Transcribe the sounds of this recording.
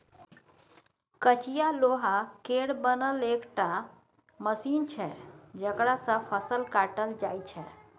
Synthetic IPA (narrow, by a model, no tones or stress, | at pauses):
kət͡ʃijaloɦakeɽbənəlekʈa | məsint͡ʃʰɛd͡ʒəkɽasə̃pʰəsəlkaʈəld͡ʒajt͡ʃʰɛ